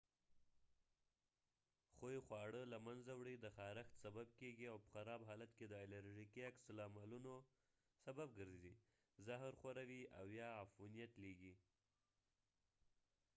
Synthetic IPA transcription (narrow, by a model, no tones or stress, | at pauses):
xojxwɑɽəlamanzawɽid̪əxɑɾaxt̪sabab̚keɡiawpə̥xaɾɑbɦɑlat̪ked̪əɪlaɾʒikiaksalɑmaluno | sabab̚ɡəɾzi | zaɦɾxaɾawia̰wjɑafunijat̪leɡi